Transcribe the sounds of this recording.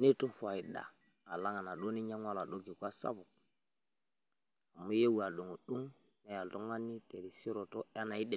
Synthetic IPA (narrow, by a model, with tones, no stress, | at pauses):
ne˦tu˦nfa˨i˨ɗa̰˨ | a˨la˦ŋa˨na˨ɗo˦ni˦ɲa˦ŋwa˦la˨ɗo˦ɡi˨kʷa˦sa̰˦bu˨k̚ | a˨mu˦je˦wa˨ɗu˨ŋo˨ɗu˦ŋ | ne˨ja˨lto˦ŋwa˦nːi˦te˨di˨si˦ɾo˨to˦a˦na˨i˦ɗe˨